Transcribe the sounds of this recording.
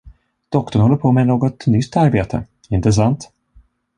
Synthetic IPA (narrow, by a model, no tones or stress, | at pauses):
d̪̥ɔkt̪ɔɳhɔlːəɾpʰomɛnoːɡɔt̪nʏst̪ːaɾbeːt̪ʰə̰ | ɪnt̪ɾəs̬ant̪